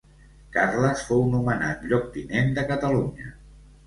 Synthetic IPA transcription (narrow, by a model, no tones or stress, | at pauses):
karləsfownumənat̪ʎɔk̚t̪inend̪əkət̪əluɲə